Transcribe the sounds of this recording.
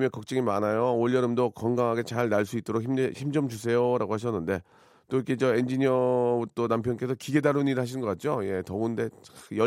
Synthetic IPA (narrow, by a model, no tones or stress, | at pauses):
mjʌnkʌk̚t͡ɕ͈ɯŋimanajooʎjʌɾɯmdokʌŋɡaŋɦaɡe̞t͡ɕaɭnaɭs͈uit͈oɾok̚çiçimd͡ʑʌmt͡ɕus̬ʰe̞joɾaɡohaɕ̬ʰʌnːɯnde̞ | t͈oik͈eid͡ʑʌend͡ʑiɲiʌut͈onampʰjʌnk͈esʰʌkiɡe̞daɾuniɾɯɭhaɕʰinɯnɡʌk͈at̚t͡ɕ͈oje̞tʌunde̞jʌ